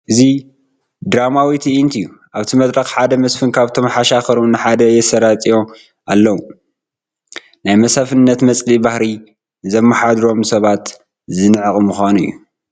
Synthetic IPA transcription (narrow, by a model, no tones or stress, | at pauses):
ʔɨzi | d̪ɾamawit̪ʰiʔint̪ʰɨjːu | ʔaβt̪ʰimɐd̪ɾɐxħad̪ɐmɐsfɨnkʰaβt̪ʰo̞mħaʃaxɐɾumnɨħad̪ɐjɛsɐɾat̪ʼijo̞ | alːɐwu | najmɐsafɨnːɐt̪mɐt͡sʼlibahɾi | zɐmːɐħad̪ɾo̞msɐβat̪ | zɨnɨʕɨkʼmuxʷanɨ̰jːṵ